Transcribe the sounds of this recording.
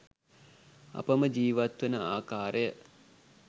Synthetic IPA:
a̰pəməd͡ʒiːʋat̪ʋənəaːkaːɾəjə

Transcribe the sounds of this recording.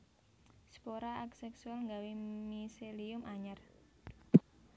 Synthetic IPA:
sə̥poɾaʔaksɛksualŋɡawimiseliʊmʔaɲar

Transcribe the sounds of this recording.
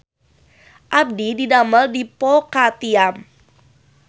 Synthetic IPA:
ʔab̚dididaməldipɔkat̪iam

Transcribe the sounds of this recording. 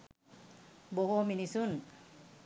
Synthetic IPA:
boɦominisun

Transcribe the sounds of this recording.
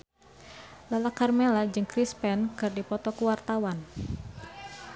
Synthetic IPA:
lalakarmelad͡ʒɨŋkɾispɛnkɨrdipɔt̪ɔkuwart̪awan

